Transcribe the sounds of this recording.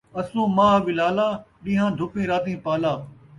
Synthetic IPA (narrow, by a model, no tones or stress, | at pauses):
ɐsũːmãːʋɪlaːlaː | ɗĩːɦãːd̪ʱʊpĩːɾaːt̪ĩːpaːlaː